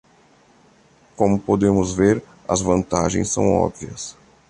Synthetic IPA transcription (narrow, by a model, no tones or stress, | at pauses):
kõmʊpod̪ẽmʊzveɾ | ɐzvɐ̃nt̪aʒḛ̃j̃sːɐ̰̃w̃ɔ̰bviɐs